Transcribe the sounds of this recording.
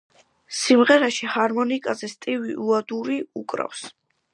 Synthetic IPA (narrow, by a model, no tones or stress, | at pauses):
simʁɛɾaʃihaɾmɔnikʼazɛst̪ʼivḭʔuad̪uɾiukʼɾa̰fs